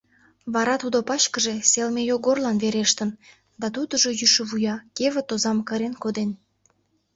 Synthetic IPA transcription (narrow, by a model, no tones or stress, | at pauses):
βɑɾɑt̪ud̪opɑt͡ɕkəʒe̽selmejoɣorlɑnβeɾeʃt̪ən | d̪ɑt̪ud̪əʒojyʃə̆βujɑkeβət̪ozɑmkə̆ɾenkod̪en